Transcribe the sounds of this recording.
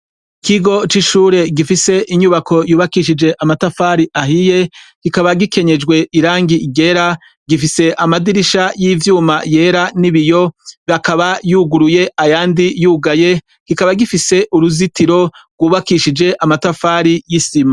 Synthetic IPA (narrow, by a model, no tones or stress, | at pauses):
ikʰiɡo̞t͡ʃiʃuːɾe̞ɡifise̞ʔiɲuβakʰo̞juːβakiʃ̬id͡ʒe̞ʔamatafaːɾiʔahije̞kikaβaɡike̞ɲe̞d͡ʒɡwe̞iɾaːŋɡiɡe̞ɾa | ɡifise̞ʔamadiɾiʃajiːvjuːmaje̞ːɾaniβijo̞βakaβajuːɡuɾuje̞ʔajaːndijuːɡaje̞ | kikaβaɡifise̞ʔuɾuzitiɾo̞ɡwuːβakiʃid͡ʒe̞ʔamatafaːɾijisima